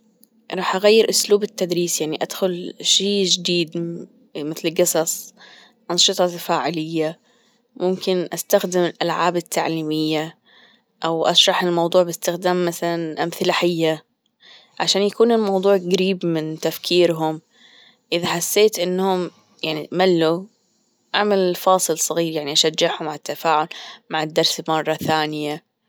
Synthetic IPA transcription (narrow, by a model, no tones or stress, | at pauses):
ɾˤɑːħʔaɣajːɪɾʔʊsluːbɪt̪ːad̪ɾiːsjaʕniʔad̪xʊlʃiːd͡ʒɪd̪iːd̪ | mɪθlɡɨsˤɑsˤ | ʔɑnʃɨt̪ˤɑfaːʕɪlɪjːa | mʊmkɪnʔast̪axd̪ɪmɪlʔa̰lʕaːbɪt̪ʰːaʕliːmɪjːa | ʔawʔɑʃɾˤɑħɪlmɑwd̪ˤuːʕbɪst̪ɪxd̪aːmːaθalanʔamθɪlaħɪjːa | ʕaʃaːnjakuːnɪlmɑwðˤuːʕɡaɾiːbmɪnt̪afkʰiːɾɦʊm | ʔɪðaħasːeːt̪ʔɪnːhʊm | jaʕnimalːu | ʔaʕmalɪlfɑːsˤɨlsˤɨɣiːɾjaʕniʔaʃad͡ʒːɪʕhʊmaʕɪt̪ːafaːʕʊlmaʕɪd̪ːɑɾˤsɪlmɑrˤːɑθaːnɪja